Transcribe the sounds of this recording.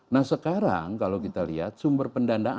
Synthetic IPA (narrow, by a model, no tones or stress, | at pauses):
nahsəkaɾa̰ŋkalokit̪alḭɦa̰t̪̚sumbərpəndanda